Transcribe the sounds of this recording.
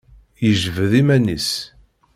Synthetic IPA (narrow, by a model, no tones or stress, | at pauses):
jəʒvəðimænis